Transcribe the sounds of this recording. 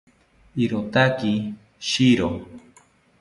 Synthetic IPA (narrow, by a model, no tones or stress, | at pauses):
iɾot̪aki | ʃiɾo